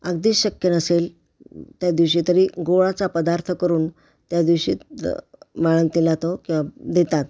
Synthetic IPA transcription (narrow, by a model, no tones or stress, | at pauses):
əɡd̪iːsɕəkjənəsel | t̪jad̪iʋɕiːt̪əɾiːɡoɭat͡sapəd̪aɾt̪ʰəkəɾuːn | t̪jad̪iʋɕiːt̪ | maɭənt̪ilat̪okĩw̃ʋad̪et̪at̪̚